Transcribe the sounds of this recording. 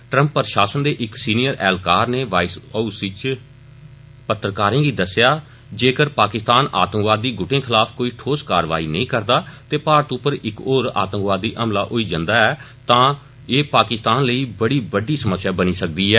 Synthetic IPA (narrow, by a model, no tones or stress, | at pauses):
ʈɾə̃mpːəɾʃaːsənd̪eːʔɪksiːnɪjəɾɛːlkaːɾneːʋaːɪsəːusɪt͡ʃ | pət̪ːɾəkaːɾẽːɡiːd̪əsjaː | d͡ʒeːkəɾpaːkɪst̪aːna̰ːt̪əmkʋaːd̪ːiːɡʊʈẽːkʰɪlaːpʰkoːiːʈʰoːskaːɾʋa̰ːḭːnəĩːkəɾd̪aːt̪eːpaːɾət̪ʊpəɾɪkoːɾa̰ːt̪məkʋaːd̪ːiːʔəmlaːʔoiːd͡ʒãnd̪aːɛː | t̪ãː | eːpaːkɪst̪aːnləiːbəɽiːbəɖiːsəməsːjaːbəniːsək̚d̪iːɦɛː